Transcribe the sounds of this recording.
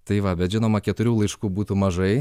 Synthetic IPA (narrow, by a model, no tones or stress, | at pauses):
t̪ɐɪʋɐbʲɛt̪ʒʲɪnoːmɐkʲɛt̪ʊɾʲuːlˠɐɪʃkuːbuːt̪umɐʒɐɪ